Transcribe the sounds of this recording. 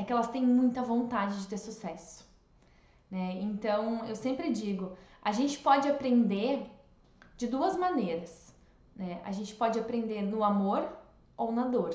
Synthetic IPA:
ɛkɪɛlɐst̪ẽj̃mũj̃t̪ɐvõnt̪ad͡ʒɪd͡ʒɪt̪eɾsusɛsʊ̥ | nɛẽnt̪ɐ̃w̃ewsẽmpɾɪd͡ʒiɡʊaʒẽnt͡ʃɪ̥pɔd͡ʒɪapɾẽnd̪eɾ | d͡ʒɪd̪uɐzmɐneɾɐs | nɛa̰ʒẽnt͡ʃɪ̥pɔd͡ʒɪapɾẽnd̪eɾnʊamoɾ | ownɐd̪oɾ

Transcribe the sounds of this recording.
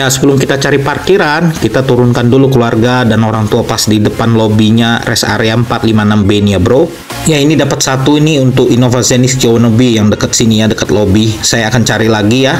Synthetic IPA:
jasəbəlʊmkit̪at͡ʃaɾiparkiɾankit̪at̪uɾʊnkandulukəluarɡadanoɾaŋt̪uapasdidəpanlobiɲarɛsa̰ɾeampat̪limanambeniabɾo | jainidapat̪̚sat̪uiniunt̪ʊkinofasinisd͡ʒownəbijaŋdəkət̪̚sinijadəkət̪lobisajaːkant͡ʃaɾilaɡija

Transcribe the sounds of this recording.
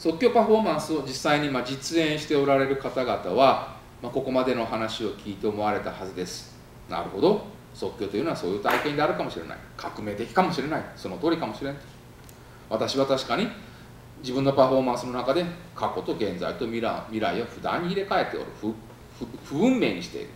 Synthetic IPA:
so̞kʲo̞ːpaɸo̞mãɰ̃sɨo̞d͡ʑisːaiɲ̟imad͡ʑit͡sɨẽ̞ɰ̃ɕi̥t̪e̞o̞ɾaɾe̞ɾɯ̟kat̪aɡat̪aβa | mako̞ko̞mad̪e̞no̞ɦanaɕio̞kʲiːt̪e̞omo̞βaɾe̞t̪ahazɨd̪e̞sɨ̥ | na̰ɾɯ̟ɦo̞d̪o̞ | so̞kʲːo̞ːt̪o̞jɯnoβaso̞ːjɯ̟ːt̪aikend̪e̞aɾɯ̟kamo̞ɕiɾena̰ikʰakɯ̟me̞ːd̪ekʲi̥kamo̞ɕiɾe̞naiso̞no̞t̪o̞ːɾikamo̞ɕiɾe̞n | βat̪aɕiβat̪aɕi̥kaɲ̟i | d͡ʑibɯ̟̃nːo̞paɸo̞mãɰ̃sɨno̞nakad̪e̞kako̞t̪o̞ɡẽ̞nza̰it̪o̞mʲiɾa̰mʲiɾa̰ioɸɯ̟d̪ã̰ɲ̟ːiːɾe̞kae̞t̪ːeo̰ɾɯ̟ɸɯ | ɸɸɯ̟ɯ̟̃mːe̞̰ːɲ̟iɕi̥t̪e̞̰ḭɾɯ̟

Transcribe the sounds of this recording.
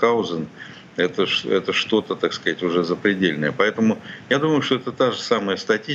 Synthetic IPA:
kaʊzən | ɛt̪əʂɛt̪əʂt̪o̞t̪ət̪akskɐzatʲʊʐɛzəpɾʲɪdʲelʲnə̰jəpɐɛt̪əmʊjad̪uməjʊʂt̪o̞ɛt̪ət̪aʐɨsaməjəst̪ɐtʲi

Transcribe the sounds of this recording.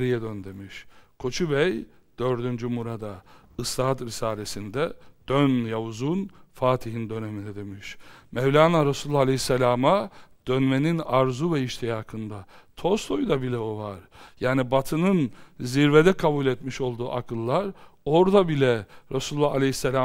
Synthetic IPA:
ɾijɛd̪ønd̪emiʃkʰo̞t͡ʃʰubɛj | d̪̥øɾd̪ynd͡ʒymuɾad̪a | ɯst̪ʰaːt̪ɾisaːlʲesind̪ɛd̪̥ønjauzunfaːt̪ʰiɦind̪ø̞nemind̪ɛd̪emiʃmɛvlʲaːnaɾasulˠːaalʲehisːelʲaːmad̪̥ønmeninaɾzuvɛiʃt̪ʰejakʰɯnd̪at̪ʰo̞st̪ʰo̞jd̪abilʲɛovaɾjaːnibat̪ʰɯnɯnziɾved̪ɛkʰabulʲɛt̪miʃo̞lˠd̪uːʔakʰɯlˠːaɾo̞ɾd̪abilʲɛɾasulˠːaalʲehisːelʲa

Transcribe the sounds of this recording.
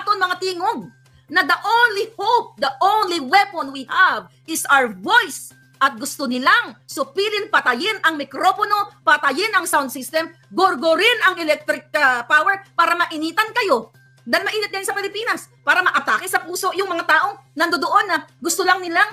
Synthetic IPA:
t̪onmɐŋat̪iːŋoɡ̚ | nɐd̪ɐʔõwnlihop̚d̪ɐʔownliwɛponwihav | ʔɪsʔawəɹvojs | ʔɐt̪̚ɡʊst̪onɪlaŋsʊpiːlɪnpɐt̪ɐjɪnɐŋmɪkɾo̞pono̞pɐt̪ɐjɪnɐŋsawnd̪sist̪ɛm | ɡoɾɡoɾɪnɐŋɛlɛk̚t̪ɾɪk̚ɐpaːwɛɹpaːɾɐmɐʔɪniːt̪ɐnkɐjo̞ | d̪almɐʔiːnɪt̪̚ɡajnsɐpɪlɪpiːnɐs | paːɾɐmɐʔɐt̪aːkɪsɐpuːso̞ʔjʊŋmɐŋat̪aːʔo̞ŋnɐnd̪od̪oʔo̞nːɐɡʊst̪olɐŋnɪlaŋ

